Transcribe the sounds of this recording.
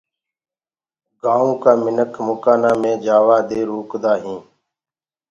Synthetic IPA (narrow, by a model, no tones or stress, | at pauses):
ɡãːũːkaːmɪnəkʰmʊkaːnaːmẽːd͡ʒaːʋaːd̪eːɾoːkd̪aːɦĩː